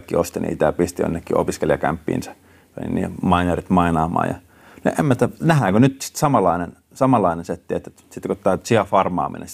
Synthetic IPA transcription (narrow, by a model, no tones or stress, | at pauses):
kːḭost̪inḭḭt̪æɑpist̪ijo̰nːekːio̰piskeljɑkæ̰mpːḭːnsæ̥ | ʋḛnḭnnḭːmɑinerit̪mɑinɑːmɑ̰ːjɑ̰ | noʔemːæt̪ænæhæːkønyt̪si̥t̪sɑmɑlːɑinen | sɑmɑlːɑinenset̪ːiet̪ːet̪sit̪kot̪t̪ːɑsiɑfɑrmɑ̰ːmḭnḛn